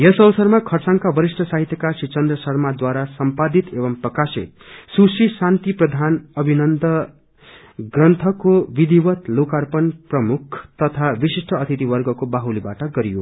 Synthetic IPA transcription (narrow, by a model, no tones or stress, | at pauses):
jʌsʌwʌsʌrmakʰʌrt͡saŋkabʌɾisʈʰʌsaɦit̪jʌkasit͡sʌnd̪rʌsʌrmad̪waɾasʌmpad̪it̪ebʌmprʌkasḭt̪̚susisant̪iprʌd̪ʱanʌbʱinʌnd̪ʌ | ɡrʌnt̪ʰʌkobid̪iwʌt̪lokarpʌnprʌmukʰt̪ʌt̪ʰabisisʈʰʌʌt̪ʰit̪ibʌrɡʌkobaɦulibaʈʌɡʌɾijo̰